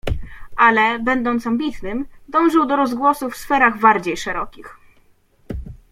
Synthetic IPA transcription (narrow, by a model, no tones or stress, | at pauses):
ʔalɛbɛnd̪ɔnt̪sambʲit̪nɘmd̪ɔ̃w̃ʐɘwd̪ɔɾɔzɡwɔsufsfɛɾaɣbaɾd͡ʑejʂɛɾɔkʲix